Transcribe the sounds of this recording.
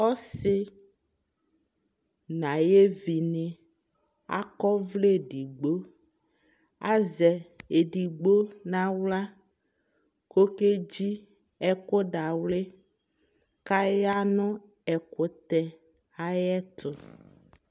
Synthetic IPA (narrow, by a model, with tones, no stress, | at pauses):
ɔ˦sɪ˦ | nã˨je˦vi˨nɪ̃˨ | a̰˦kɔ˦vle˦˨ɖi˨ɡ͡bo˦ | a˦zɛ˨e˨ɖi˨ɡ͡bo˦nã˦wla˦ | ko˦ke˦d͡ʑi˦ | ɛ˦ko˦ɖa˨wle˦ | ka˦ja˦nɔ̃˦ | ɛ˨kʊ˨t̪ɛ˨ | a˦jɛ˦t̪ʰʊ˨